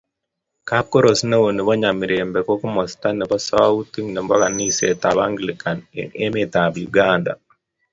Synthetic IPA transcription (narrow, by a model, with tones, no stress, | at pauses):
ka˦p̚ko˦ɾo˨sne˦wo˨ni˨βɔ˦ɲa˨mi˨ɾembɛ˨kɔ˦ku˦mɔ˨sta˦nɛ˨bɔ˦sa˦wa˦u˦ti˦ŋnɛ˨mbɔ˦ka˨ni˦se˦ta˨ba˦ŋɡlika˨nḛ˦me˦ta˨bjuɡanda̰˨